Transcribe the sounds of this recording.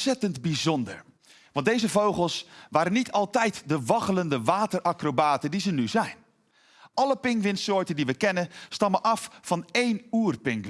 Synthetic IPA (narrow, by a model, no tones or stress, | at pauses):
sɛtəndbizɔndə̰ɹ | ʋɑ̃ntdejzəvowχəlˠsʋaːɾənitʰɑlˠtɛjtdəʋɑχələndəʋaːtərʔakrobaːtəndizənyzɛjn | ɑləpɪŋkʋɪnsoːtəndiʋəkɛnənstɑməʔɑffɑnejnuːrpɪŋk